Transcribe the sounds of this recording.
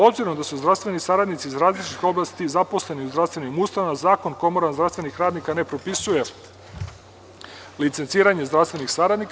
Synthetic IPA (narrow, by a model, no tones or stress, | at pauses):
o̞bziɾomd̪asuzd̪ɾavst̪ve̞nisaɾad̪nit̪sizɾaːzlit͡ʃit̪ixo̞blˠast̪izapo̞sle̞niuzd̪ɾast̪ve̞nimuːst̪amazaːko̞nko̞moɾanzɾafst̪ve̞nixɾaːd̪nikane̞pɾo̞pisuje̞ | lit̪se̞nt̪siːɾaɲe̞zd̪ɾast̪ve̞nixsaɾad̪nik